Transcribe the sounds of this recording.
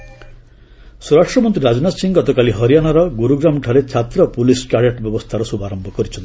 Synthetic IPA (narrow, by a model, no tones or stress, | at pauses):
suɾaʂʈɾɔmɔnt̪ɾiɾad͡ʒɔnat̪siŋɡɔt̪ɔkaliɦɔɾijanaɾɔɡuɾuɡɾamʈʰaɾet͡ʃʰat̪ɾɔpuliskaɾjaʈbjɔbɔst̪ʰaɾɔsubaɾɔmbʱɔkɔɾit͡ʃʰɔnt̪i